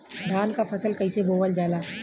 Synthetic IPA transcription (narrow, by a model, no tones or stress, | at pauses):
ɖaːnkapʰɐsəlkɐiseboːʋəld͡ʒaːlaː